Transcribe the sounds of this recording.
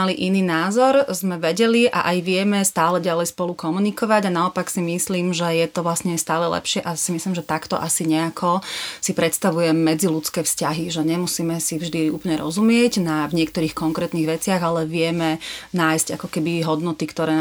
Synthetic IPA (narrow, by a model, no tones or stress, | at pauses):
aliʔiniːnaːzɔɾzmɛʋɛɟɛliʔa̰ʔajʋɪɛmɛst̪aːlɛɟalɛjspɔlukɔmunikɔʋaɟanaɔpaksimisliːmʒɛjɛt̪ɔʋlasɲɛst̪aːlɛlɛ̰pʃɪɛʔasimisliːmʒɛt̪akt̪ɔ̰ʔasiɲɛakʰɔsipɾɛt̪st̪aʋujɛmːɛd͡zilutt͡skɛːfscaɦiʒɛɲɛmusiːmɛsivʒd̪iṵːplɲɛɾɔ̰zumɪɛɟnavɲɪɛkt̪ɔɾiːxkɔŋkɾɛːt̪niɣʋɛt͡sɪaɣalɛʋɪɛmɛnaːjsɟa̰kɔkɛbiɦɔd̪nɔt̪ikt̪ɔɾɛː